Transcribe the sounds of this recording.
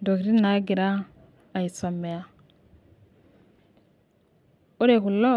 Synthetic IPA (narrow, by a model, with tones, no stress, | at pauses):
do˨kɾi˦na˨˦ɡi˨ɾa˦ | a˨i˨so˨mːe˨ja˦ | o˦ɾe˨ku˨lo˦